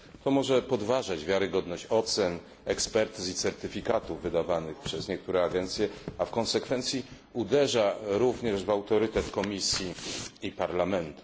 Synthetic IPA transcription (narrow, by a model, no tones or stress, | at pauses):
t̪ɔmɔʐɛpɔd̪vaʐad͡ʑvʲjaɾɘɡɔd̪nɔɕt͡ɕɔt̪sɛn | ɛkspɛɾt̪uzit̪sɛɾt̪ɘfʲikat̪uvːɘd̪avanɘxpʂɛzɲɛk̚t̪uɾɛaɡɛnt̪sʲjɛafkɔ̃nsɛkfɛnt̪sʲji | ud̪ɛʐaɾuvɲɛʐvawt̪ɔɾɘt̪ɛt̪kɔmʲisʲjiːpaɾlamɛnt̪u̥